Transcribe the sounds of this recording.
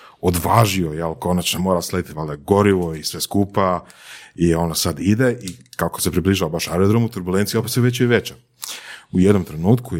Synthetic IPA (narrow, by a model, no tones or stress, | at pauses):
od̪ʋaːʒiojalko̞nat͡ʃnomo̞ːɾasled̪it̪ʋaleɡo̞ɾiʋoisʋeskuːpa | io̞nasad̪id̪eʔikakosepɾibliːʒaʋabaʃaɾod̪ɾomut̪uɾbulent̪sijopeseʋet͡ɕoiʋet͡ɕa | ujed̪no̞mt̪ɾenuːt̪ku